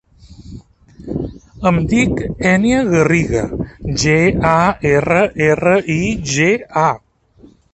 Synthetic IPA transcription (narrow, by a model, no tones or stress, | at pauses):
əmd̪ikɛniəɣəriɣa̰d͡ʒeaɛrəʔerəʔiʒea